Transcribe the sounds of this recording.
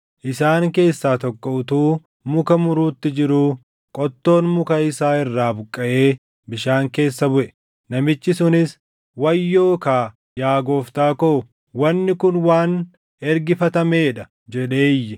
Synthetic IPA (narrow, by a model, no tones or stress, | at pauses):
ʔɪsaːŋke̞ːsːaːt̪ɔkʼːɔʊt̪uː | mʊkɐmʊɾuːt̪ːɪd͡ʒɪɾuː | kʼɔt̪ːo̞ːnmʊkɐɪsaːɪrːaːbʊkʼːɐʔe̞ː | bɪʃaːŋke̞ːsːɐbʊʔɛ̥ | nɐmɪt͡ʃːɪsʊnɪs | wɐjːo̞ːkaː | jaːɡo̞ːft̪aːko | wɐnːɪkʊnwaːn | ɛɾɡɪfɐt̪ɐmeːᶑɐ | d͡ʒɛᶑe̞ːjːɛ